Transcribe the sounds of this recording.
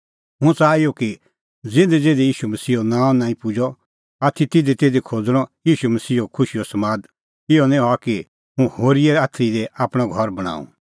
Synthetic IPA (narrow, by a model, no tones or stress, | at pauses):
ɦʊ̃t͡saːijɔki | d͡zɪ̃nd̪ɛd͡zeːd̪ijiːʃumɐsiːɔnãːɔ̃nãːĩpʊd͡ʒɔ | at̪ʰːit̪ɪd̪it̪ed̪ikʰoːd͡zɽ̃ɔjiːʃumɐsiːokʰʊʃiɔsɐmaːd̪ | ɪɔnɛ̃aki | ɦũhoːɾiɛaːt̪ʰːɾid̪ɛʔaːpɽ̃ɔɡʱɔɾbɐɽ̃a̰ːṵ̃